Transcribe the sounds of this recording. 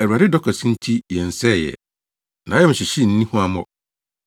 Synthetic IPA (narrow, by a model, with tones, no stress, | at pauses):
æ˨ɾu˨a˨ɾɪ˦dɔ˦kʰɛ˨sĩ˦n̩˦tʰi˦jɛ̃˨n̩˨sɛ˦˨jɛ̰˨ | nʔã˨˦jɛ˦m̩ɪ̃˨ɕɪ˨ɕi˦n̩˦nĩ˦hũ˦a˨mɔ˦